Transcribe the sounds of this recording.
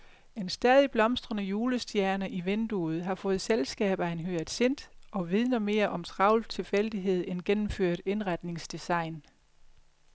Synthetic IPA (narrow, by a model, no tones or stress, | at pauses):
e̝nsd̥ɛːð̞ˠib̥lɒ̽msd̥ʁɐnəjuːləsd̥jæɐnəʔiʋend̥uð̞̩ˠɦɑ̈fɔ̽ːð̞̩ˠselsɡ̥ɛ̰ːb̥æe̝nɦøɐð̥ˠse̝n̰d̥ʔɒ̽ʋið̞ˠnɐme̝ːɐʔɒ̽mt͡sʰʁɑ̈ʊl̥t͡sʰe̝lfel̰d̥iɦe̝ð̞̰ˠenɡ̥enm̩føɐ̰d̥e̝nʁɑd̥ne̝ŋsd̥isɑ̈ɪ̰n